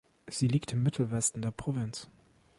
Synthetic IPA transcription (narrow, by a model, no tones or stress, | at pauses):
z̥iːliːktɪmːɪtʰl̩vɛstn̩deːɐpʁ̥ovɪns